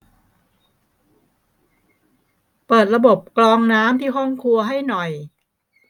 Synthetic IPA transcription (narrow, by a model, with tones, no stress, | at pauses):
pɤː˨˩t̪̚ɾa˧bo˨˩p̚klɔː˧ŋnaː˦˥mt̪ʰiː˥˩ɦɔ˥˩ŋkʰu˧ɐɦa˥˩jnɔ˨˩j